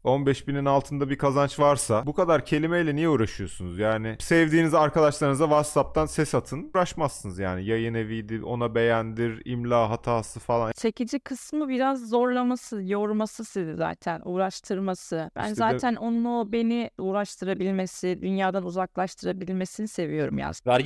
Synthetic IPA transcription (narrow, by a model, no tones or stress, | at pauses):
o̞nbɛʃbininalˠt̪ʰɯnd̪abikʰazant͡ʃvaɾsabukad̪aɾcʰe̞lʲimejlʲɛnijɛuːɾaʃɯjo̞ssunuzjaːnɪsɛvd̪iːnizaɾkʰad̪aʃlˠaɾɯnɯzavat̪sap̚t̪ʰansɛshat̪ʰɯnuɾaʃmasːɯnɯzja̰ːnijajɯnevijd̪io̞̰nabe̞jænd̪iɾḭmlʲaːɦat̪ʰaːsɯfalˠant͡ʃʰe̞cid͡ʒikʰɯsmɯbiɾazːo̞ɾlˠamasɯjo̞ɾmasɯsiziza̰ːt̪ʰænuːɾaʃt̪ʰɯɾmasɯb̥æ̰nzaːænʔo̞nlˠabe̞niuːɾaʃt̪ʰɯɾabilʲme̞sɪd̪ynjaːd̪anuzaklˠaʃt̪ʰɯɾabilʲme̞sinise̞vijo̞ɾumja̰saɾ